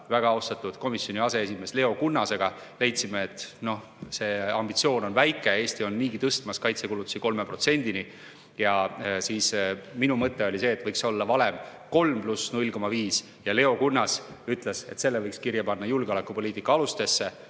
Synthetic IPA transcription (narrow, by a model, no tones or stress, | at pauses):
væɡ̥ɑɑost̪ɑt̪ːˑud̪̥ko̞misʲːjo̞niɑse̞es̬ʲime̞sle̞o̞kunːɑse̞ɡ̥ɑ | le̞jt̪simeːt̪ːno̞h | se̞ːɑmb̥it̪sio̞ːno̞nvæjkːˑee̞ːsʲt̪io̞nːiːɡit̪ɤst̪mɑskɑjt̪sekulut̪ːˑu̥siko̞lmepro̞t̪se̞nʲd̪ini | jɑsiːsminumɤt̪ˑːe̞o̞lʲise̞ːt̪ːˑvɤjkso̞lːɑvɑle̞mko̞lmplusnulʲko̞mɑviːs | jɑle̞o̞kunːɑsyt̪ˑle̞se̞̰t̪se̞lːevɤjkskirjɑpɑnːɑjulɡeolekːˑupo̞liːt̪ːˑikːˑɑɑlust̪e̞sːe̞